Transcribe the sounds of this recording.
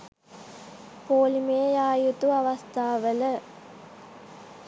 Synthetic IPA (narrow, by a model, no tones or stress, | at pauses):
poːlimeːjaːjut̪uɐʋɐst̪ʰaːʋɐlɐ